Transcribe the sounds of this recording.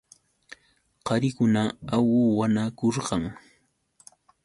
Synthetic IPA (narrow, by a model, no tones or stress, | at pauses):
qɑɾɪkʊnaawʊwanakoɾɢɑŋ